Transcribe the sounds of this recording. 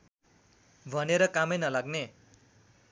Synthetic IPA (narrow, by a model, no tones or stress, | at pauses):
bʱʌneɾʌkamʌnʌlaɡne